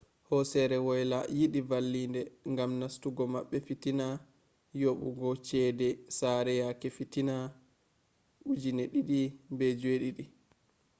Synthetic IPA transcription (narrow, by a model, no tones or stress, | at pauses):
hɔsɛɾɛwɔjlajiɗivalːindɛŋɡamnastuɡɔmaɓːɛfitina | joɓṵɡɔt͡ʃɛdɛsaɾɛjakɛfitina | ʔud͡ʒinɛɗiɗibɛd͡ʒeɗiɗi